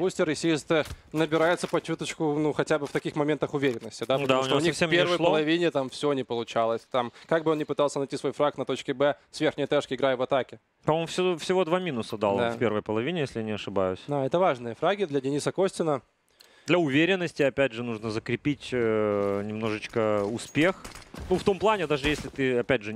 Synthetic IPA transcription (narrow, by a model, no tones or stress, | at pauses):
usʲtʲɪɾɪsʲijst̪ɨ | nəbʲɪɾajɪt̪səpɐt͡ɕut̪ət͡ɕkʊnuxɐtʲabɨft̪ɐkʲixmɐmʲe̞nt̪əxʊvʲeɾʲɪnːəsʲtʲɪd̪ap̪əd̪aɐuʊʂnʲt̪oʊnʲixfsempʲervəjlˠəlˠɐvʲinʲɪt̪amfsʲonʲɪpəlˠʊt͡ɕalˠəsʲt̪amkaɡ̚bɨo̞nnʲɪpɨt̪ɑlˠsʲənɐjtʲisvo̞jfɾak̚t̪nɐt̪o̞t͡ɕkʲɪbɛsvʲerxnʲɪjət̪ɛʂkʲɪɪɡɾajəvɐt̪akʲɪ | pɐmomfsʲfsʲɪvo̞d̪vamʲinʊsəd̪alˠafʲpʲe̞rvəjpəlˠɐvʲinʲɪjesʲlʲɪjanʲɪɐʂɨba̰jʊsʲd̪aɛt̪əvaʐnɨjəfɾaɡʲɪd̪lʲɐdʲɪnʲisəkosʲtʲɪnə | d̪lʲɐʊvʲeɾʲɪnːəsʲtʲɪɐpʲædʲʐɨnuʐnəzəkɾʲɪpʲitʲənʲɪmno̞ʐɨt͡ɕkəʊspʲexnuft̪o̞mplˠanʲɪd̪aʐɨjesʲlʲɪt̪ɨɐpʲædʲʐɨ